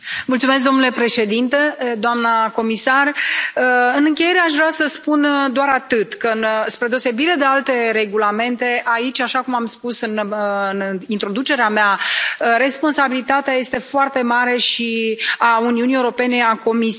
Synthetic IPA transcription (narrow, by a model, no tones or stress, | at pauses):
mult̪sumes̬k̚d̪o̞mnule̞pɾe̞ʃe̞d̪int̪e̞d̪oamnəko̞misar | ɨnɨŋkʲe̞je̞ɾe̞aʃ̬vɾeasəspund̪oaɾat̪ɨt̪kəɨnspɾe̞d̪eose̞biɾed̪e̞alt̪e̞ɾe̞ɡulame̞nt̪e̞ʔait͡ʃʲaʃakumamspusɨnnint̪ɾo̞d̪ut͡ʃe̞ɾeameaɾe̞spo̞nsabilit̪at̪eaje̞st̪e̞foart̪e̞maɾe̞ʃiauniunijeuɾo̞pe̞ne̞ako̞mis